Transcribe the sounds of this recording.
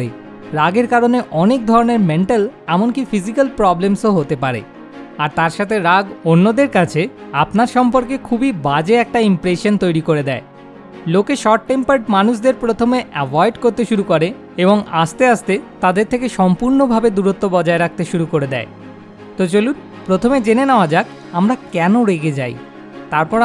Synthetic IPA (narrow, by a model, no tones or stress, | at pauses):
e | ɾaɡeɾkaɾoneʔɔnek̚d̪ʱɔɾoneɾmeɳʈalɛmonkifizikalpɾɔblemsoɦot̪epaɾḛ | aɾt̪aɾʃat̪ʰeɾaɡonːod̪eɾkat͡ɕʰeapnaɾʃɔmpoɾkekʰubibad͡ʑeɛk̚ʈaimpɾeʃont̪ojɾikoɾed̪ɛe | lokeʃɔʈʈːempaɾʈmanuʃ̬d̪eɾpɾot̪ʰomeʔɛbɔjɖkoɾt̪eʃuɾukoɾe | eboŋa̰st̪east̪et̪ad̪eɾt̪ʰekeʃɔmpuɾnobʱabed̪uɾot̪ːobɔd͡ʑaeɾak̚ʰt̪eʃuɾukoɾed̪ɛ̰e | t̪ot͡ɕolun | pɾot̪ʰomed͡ʑenenaoad͡ʑak | amɾakɛnoɾeɡed͡ʑa̰j | t̪aɾpɔɾ